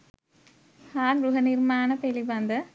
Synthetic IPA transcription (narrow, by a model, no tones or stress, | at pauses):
haːɾɾʊɣɐnɪɾmaːnɐpɛlibɐnd̪ɐ